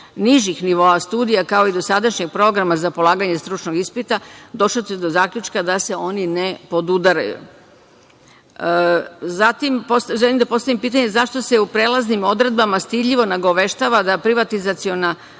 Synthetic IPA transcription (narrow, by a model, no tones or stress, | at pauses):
niʒixniʋo̞ast̪uːd̪ijakao̞id̪o̞sad̪aʃɲeɡ̚pɾo̞ɡɾamazapo̞lˠaːɡaɲe̞st̪ɾut͡ʃno̞ɡispit̪ad̪o̞ʃlot̪ed̪o̞zaːkʎʲut͡ʃkad̪ase̞o̞nine̞po̞d̪ud̪aɾa̰jṵ | zat̪imposʒelimd̪apo̞st̪aʋimpiːt̪̬aɲezaʃt̪o̞seupɾeːlˠaznimo̞d̪ɾe̞d̪̚bamast̪id̪ʎʲiʋo̞naɡoʋe̞ʃt̪aʋad̪apɾiʋat̪izat̪sio̞na